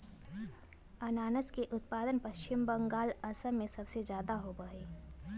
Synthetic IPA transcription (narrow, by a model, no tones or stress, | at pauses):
ɐnaːnəskeʔʊt̪̚paːd̪ənpɐʃt͡ʃɪmbə̃ŋɡaːlɐsəɾmẽsɐbsezjaːd̪aɦobəeː